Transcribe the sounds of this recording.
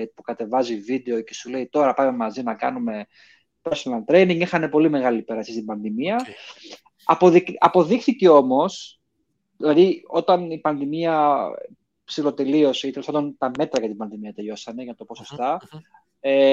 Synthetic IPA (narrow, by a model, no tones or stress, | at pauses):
pukɐt̪e̞vɐzivid̪e̞o̞ce̞sule̞it̪o̞ɾɐpɐme̞mɐzinɐkɐnume̞ | poslɐnt̪ɾe̞jniŋɡixɐne̞po̞lime̞ɣɐlipe̞ɾɐsist̪ibɐnðimiɐ | ɐpo̞ðikɐpo̞ðixθice̞o̞mo̞s | ðilɐðio̞t̪ɐnipɐnðimiɐ | psilo̞t̪e̞lio̞sit̪elospand̪o̞nt̪ɐme̞t̪ɾɐʝɐt̪ibɐnðimiɐt̪e̞ʎo̞sɐne̞ʝɐnɐt̪o̞po̞so̞st̪ɐ | e